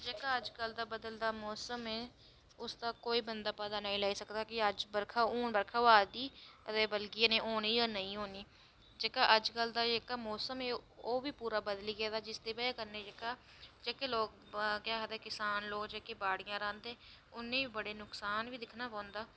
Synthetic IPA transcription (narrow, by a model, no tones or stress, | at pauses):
d͡ʒeːkaːəd͡ʒkəld̪aːbəd̪əld̪aːmɔːsəmɛː | ʊsd̪aːkoːiːbənd̪aːpəd̪aːnəĩlaːiːsəkd̪aːkɪəd͡ʒbəɾkʰaːoːnbəɾkʰaːaːd̪iːt̪eːbəlɡɪjãːnẽːʔoːniːjaːnəĩːɦoːniː | d͡ʒeːkaːʔəd͡ʒkəld̪aːd͡ʒeːkaːmɔːsəmɛːoːʋiːpuːɾaːbəd̪liːɡɛːd̪aːd͡ʒɪst̪eːbəaːkəɾneːd͡ʒeːkaː | d͡ʒeːkeːloːk̚ | kɪaːɦəd̪eːkɪsaːnloːkd͡ʒeːkeːbaːɽɪjãːɾãːnd̪eː | ʊnːẽːiːbəɽeːnʊksaːnʋiːd̪ɪkʰnaːpãːʊ̃nd̪aː